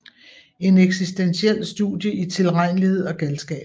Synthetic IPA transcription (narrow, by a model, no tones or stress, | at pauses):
e̝neɡ̥sisd̥ensiel̰sd̥ṵdˠjəʔit͡sʰe̝lʁɑ̈ɪ̰nlihe̝ð̞̰ˠɒ̽ɡ̥ælsɡ̥ɛ̰ːb